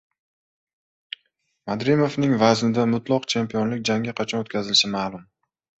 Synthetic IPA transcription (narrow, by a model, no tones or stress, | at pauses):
mad̪ɾimovnɪŋvaznɪd̪amʊt̪lˠɒqt͡ʃʰe̞mpijɒnlɪkʲd͡ʒaŋʲaqʰɑt͡ʃʰɒnot̪kʲʰazɪlɪʃɪmaːlˠʊm